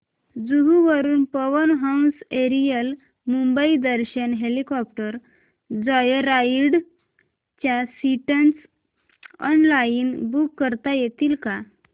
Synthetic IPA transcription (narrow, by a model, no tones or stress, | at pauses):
d͡zuɡuʋəɾuːnpəʋənɦawnseɾijəl | mumbəid̪əɾɕənɦelikɔp̚ʈəɾ | d͡zɔjɾaiɽ | t͡ɕjasiʈəns | ɔ̰nlaiːnbukːəɾt̪ajet̪iːlka